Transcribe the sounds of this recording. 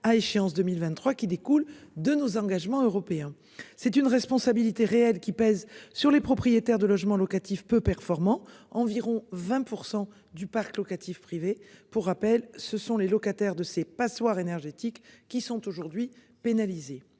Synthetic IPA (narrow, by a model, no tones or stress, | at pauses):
aeʃeɑ̃sd̪əmilvɛ̃nt̪χwakʲid̪ekuld̪ənozɑ̃ɡaʒmɑ̃øʁɔpeɛ̃ | sɛt̪ynʁɛspɔ̃sabilit̪eʁeɛlkʲipɛzsyʁlepχɔpχijet̪ɛʁd̪əlɔʒmɑ̃lɔkat̪ifpøpɛʁfɔʁmɑ̃ɑ̃viʁɔ̃vɛ̃puʁsɑ̃ | d̪ypaʁklɔkat̪ʰifpχivepuʁːapɛlsəsɔ̃lelɔkat̪ɛʁd̪əsepaswaʁenɛʁʒet̪ikːisɔ̃t̪oʒuʁd̪ɥi | penalize